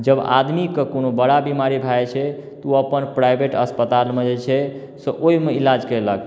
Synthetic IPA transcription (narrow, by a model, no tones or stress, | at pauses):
d͡ʒəba̰d̪mikəkonobəɽabimaɾibʱajt͡ʃʰɛt̪uəpənpɾajbʱeʈəspət̪almed͡ʒet͡ʃʰɛ | səʔoimeilad͡ʒkələk